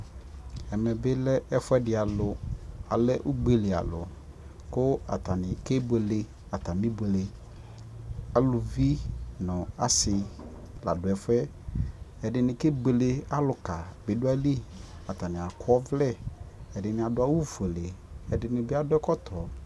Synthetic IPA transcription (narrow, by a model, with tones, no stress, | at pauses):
ɛ˨mɛ˨bɪ˦lɛ˦ɛ˦fʊ˦ɛ˦dɪ˨a˨lʊ˨a˨lɛ˦ʔu˦ɡ͡be˨le˨a̰˨lʊ̰˨ | kʊ˦a̰˨ta˨nɪ̃˨ke˦be˨le˦ | a˨t̪a˨mĩ˦be˨le˨ | a˨lʊ˨vi˦nʊ̃˨a˨sɪ˨ | la̰˨dʊ˨ɛ˨fɛ˦ | ɛ˨dɪ˨nɪ̃˨ke˦be˨le˦a˦lʊ˨ka˨be˨dʊ˦a˦li˦a˨t̪a˨nɪ̃˨a˨kʰɔ˦vlɛ˦ɛ˨dɪ˨nɪ̃˨a˨dʊ˦a˦wu˦fu˨e˨le˨ɛ˨dɪ˨nɪ̃˦bɪ˦a˦dʊ˦ɛ˦kɔ˦t̪ʰɔ˨